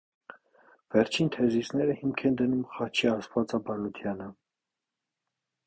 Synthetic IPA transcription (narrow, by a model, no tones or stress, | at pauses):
vɛɾt͡ʃʰint̪ʰɛzisnɛɾəhimkʰɛnd̪ənumχɑt͡ʃʰiɑsvɑt͡sɑbɑɾɔt̪ʰjɑnə